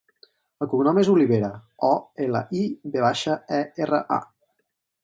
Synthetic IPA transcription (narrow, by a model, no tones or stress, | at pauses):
əlˠkuŋnɔmezuliβeɾəɔelə̰ʔibeβaʃəɛerə̰ʔa̰